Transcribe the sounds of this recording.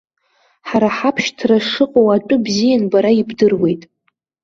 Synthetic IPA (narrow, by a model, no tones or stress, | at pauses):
ħaɾaħapʰʃtʰraʂɨqʼowat͡ʃʷʼʊbzijanbaɾaibdɨrwe̞jtʼ